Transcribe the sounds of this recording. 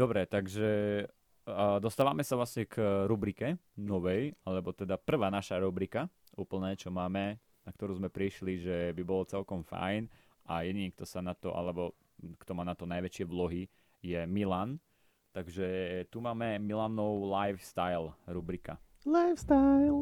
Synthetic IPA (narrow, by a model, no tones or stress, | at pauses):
d̪̥ɔbɾɛt̪aɡʒɛ | d̪ɔst̪aːʋamɛsaʋlasɲɛkɾubɾikɛnɔʋɛjalɛbɔt̪ɛd̪apr̩ʋaːnaʃaɾubɾika | uːpl̩nɛːt͡ʃɔmaːmɛ | nakt̪ɔɾuːzmɛpɾiʃliʒɛbibɔlɔt͡sɛlkɔmfa̰jn | ʔajɛɲikt̪ɔsanat̪ɔ̰ʔa̰lɛbɔ | kt̪ɔmaːnat̪ɔnajʋɛt͡ʃɪɛʋlɔɦi | jɛmilan | t̪aɡʒɛt̪umaːmɛmilanɔʊlajfst̪ajlɾubɾika̰ | lajfst̪ajl